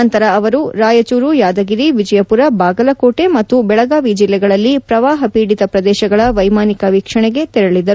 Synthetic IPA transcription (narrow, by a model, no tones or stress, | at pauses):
ɐnt̪ɐɾɐːʋɐɾuɾaːjɐt͡ʃuːɾujaːd̪ɐɡiɾiʋid͡ʒɐjɐpuɾɐbaːɡɐlɐkoːʈe̞mɐt̪ːubɛɭɐɡaːʋid͡ʒilːɛɡɐɭɐlːipɾɐʋaːɦɐpiːɽit̪ɐpɾɐd̪ɛːʃɐɡɐɭɐʋɐjmaːnikɐʋiːkʂɐɳɛɡe̞t̪ɛɾɐɭid̪ɐɾu